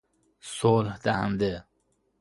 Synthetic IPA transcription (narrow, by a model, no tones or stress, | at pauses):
solhd̪æhæ̰nd̪e